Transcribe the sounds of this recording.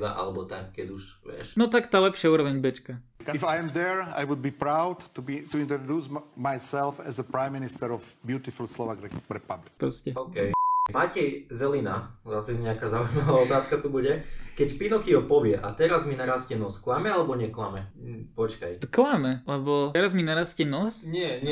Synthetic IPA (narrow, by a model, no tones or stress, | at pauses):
a̰ʔa̰lɛbɔt̪akkɛɟuʒʋɪɛ̰ʃnɔt̪akt̪aːlɛpʃɪauːɾɔʋɛɲbɛt͡ʃkaifajɛmd̪ɛɹa̰jʋud̪̚biːpɾaʊd̪t̪ubit̪uint̪ɾɔd̪uːsmajsɛlfɛzəpɾajmːinist̪ɛɾɔvbjuːt̪ifulslɔʋakɾɛpablikpɾɔscɛɔkɛjmacɛjzɛlina̰zasɛɲɛakazaʋɔmaʋaɔt̪aːskat̪ubuɟɛkɛcpinɔxiɦɔpɔʋɪɛʔa̰t̪ɛɾazminaɾascɛnɔsklamɛalɛbɔɲɛkla̰mɛpɔt͡ʃkajklamɛlɛbɔɛɾazminaɾascɛnɔsɲɪɛɲɛ